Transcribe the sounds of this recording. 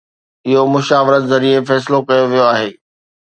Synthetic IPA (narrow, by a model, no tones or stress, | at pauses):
ɪɦomʊʃaːʋɪɾət̪zɐɾiefɛːs̬ɪlokɐjoʋijoaːɦeː